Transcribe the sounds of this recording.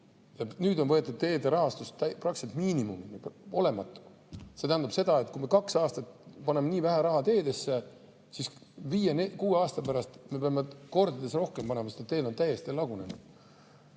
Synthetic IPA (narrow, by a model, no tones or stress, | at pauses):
jɑnyːd̪o̞nvɤe̞t̪ːˑud̪̥̚t̪e̞ːd̪eɾɑɦɑst̪ust̪æprɑkset̪miːnimuminio̞le̞mɑt̪ːˑu̥ | se̞t̪æːnd̪ub̥se̞d̪̥ɑe̞t̪kume̞kɑksɑːst̪ɑt̪pɑnemeniːvæɦæɾɑɦɑt̪e̞ːd̪e̞sːe | sisviːjenekuːeɑːst̪ɑpæɾɑst̪me̞peɑmeko̞rd̪ɑd̪e̞sro̞hkempɑne̞mɑsed̪et̪ːe̞ːd̪ot̪æje̞st̪ilɑɡ̥une̞nud̪̥